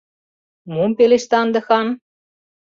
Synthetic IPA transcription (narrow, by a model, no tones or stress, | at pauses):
mumpeleʃt̪ɑnd̪ɤ̆xɑn